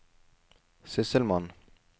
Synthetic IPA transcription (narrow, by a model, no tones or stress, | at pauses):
sɪsəlman